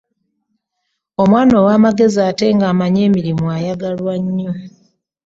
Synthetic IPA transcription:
o̞mwaːno̞ːwaːmaɡe̞ziaːte̞ŋɡaːmaɲe̞ːmiɾimuajaɡalwaɲːo̞

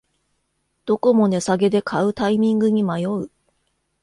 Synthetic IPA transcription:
d̪̥o̞ko̞mo̞ne̞saɡe̞d̪e̞kʰaɯ̟t̪aimʲĩŋɡɯ̟ɲ̟imajo̞ɯ̟

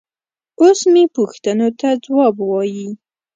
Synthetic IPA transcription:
osmepuxt̪ənot̪ad͡zwɑbwɑji

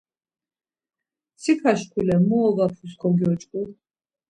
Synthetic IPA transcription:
sʰikʰaʃkʰulɛmɔɔɡapʰuskʰɔɡiɔt͡ʃʼkʼu

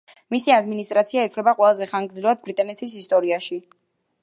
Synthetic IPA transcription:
misiad̪minist̪ʼɾat̪sʰiaɛt̪sʰlɛbaqʼwɛlˠazɛχaŋɡd̪zlivad̪̚bɾit̪ʼanɛt̪ʰisist̪ʼɔɾiaʃi

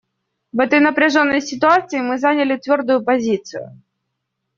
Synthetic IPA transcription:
vɛt̪əjnəpɾʲɪʐo̞nːəjsʲɪt̪ʊat̪sɨɪmɨzanʲɪlʲɪt̪vʲo̞rd̪ʊjʊpɐzʲit̪sɨ̰jʊ̰

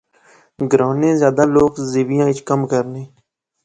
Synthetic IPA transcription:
ɡɾãːnẽːzjaːd̪aːloːkzeːʋɪjãːɪt͡ʃkəmkəɾnẽː

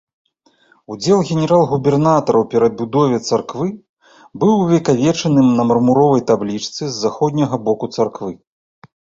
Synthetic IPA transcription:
ud͡zʲɛlˠɣʲɛnʲɛɾalˠɣubʲɛrnat̪ɐɾʔɐwpʲɛɾɐd̪̚bʲud̪ɔvʲɛt̪sarkvɨ | bɨwvʲɛkavʲɛt͡ʂɐnɨmnɐmɐrmuɾɔvɐjt̪ablʲit͡ʂt̪sɨzːaxɔd̪ʲnʲɐɣɐbɔkut̪sarkvɨ

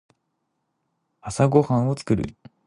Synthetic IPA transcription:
asaɡo̞hãɰ̃ot͡sɨ̥kɯ̟ɾɯ̰

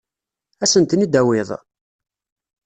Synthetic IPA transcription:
æsənt̪nid̪æwɪðˤ

